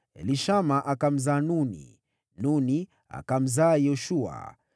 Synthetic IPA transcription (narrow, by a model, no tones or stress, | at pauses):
ɛ̰liʃamaʔakam̩zanunḭ | nuni | a̰kam̩zaːjɔʃua̰